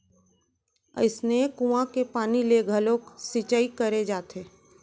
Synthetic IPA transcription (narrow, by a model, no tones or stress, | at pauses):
ə̰ɪsnekũãkepaːnileɡʱəloːksit͡ʃaːikəɾed͡ʒaːt̪ʰeː